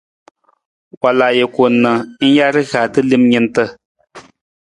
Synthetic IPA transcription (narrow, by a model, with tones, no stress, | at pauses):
wa˨la˨je˨ko˨nɨ˨n̩˦ja˦ɾɨ˦ɣa˨tɨ˦li˦mɲi˦ntə˦